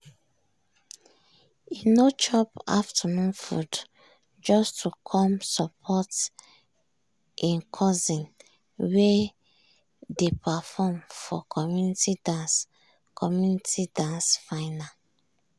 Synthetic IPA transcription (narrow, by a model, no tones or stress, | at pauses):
inot͡ʃɔpa̰ftʰanũnfṵd | d͡ʒɔstʰukʰɔ̃msɔpʰɔt | ʔĩnkʰɔzĩn | we | depafɔmfɔ̰kʰɔmjunitidãns | kʰɔmjunitidãnsfaɪna